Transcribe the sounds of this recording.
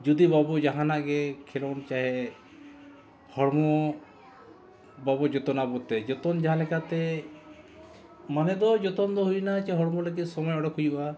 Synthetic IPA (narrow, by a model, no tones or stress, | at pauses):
d͡ʒud̪ibabud͡ʒaɦãnaʔɡɛkʰɛlɔnt͡ʃaɦɛ | hɔɾmɔ | babɔd͡ʒɔt̪ɔnabɔt̪ɛd͡ʒɔt̪ɔnd͡ʒaɦãlɛkat̪ɛ | manɛd̪ɔd͡ʒɔt̪ɔnd̪ɔɦujnat͡ʃɛɦɔɽmɔleɡit̪̚sɔmɔjɔɽɔkɦujuba